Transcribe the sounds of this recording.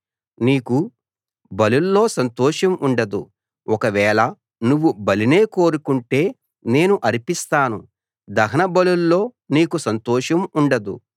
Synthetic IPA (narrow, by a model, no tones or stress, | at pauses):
niːku | bɐlulːo̞ːsɐnt̪ɔːʂɐmuɳɖɐd̪ṵ | ɔkɐʋɛːɭɐ | nuʋːubɐline̞ːko̞ːɾukuɳʈe̞ː | ne̞ːnuʔɐɾipist̪aːnu | d̪ɐɦɐnɐbɐlulːo̞ː | niːkusɐnt̪ɔːʃɐmuɳɖɐd̪ṵ